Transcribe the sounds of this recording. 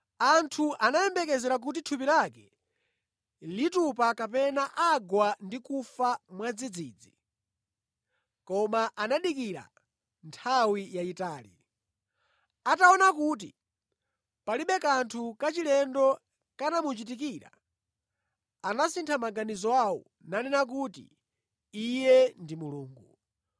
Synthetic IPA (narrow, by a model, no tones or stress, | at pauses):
antʰuʔanajɛmbɛkɛzɛɾak̬ut̬itʰupiɾakɛ | litupakapɛnaʔaɡwandikufamwad͡zid͡zḭːd͡zi | kɔmaʔanaɗikiɾa̰ | ntʰawijaitaːlḭ | ataɔnakuːt̬ḭ | paliɓɛkantʰukat͡ʃilɛndɔ | kanamut͡ʃit̬ik̬iɾa̰ | anasintʰamaɡanizɔawɔ̰ | nanɛnak̬uːtḭ | ijɛndimuluːŋɡu